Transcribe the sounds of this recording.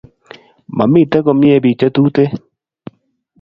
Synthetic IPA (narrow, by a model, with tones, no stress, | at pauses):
ma̰˨mɪ˦˨t̪ɛ˦kɔ˨mɪ˦e˦bi˨t͡ʃe˦t̪u˦t̪e˦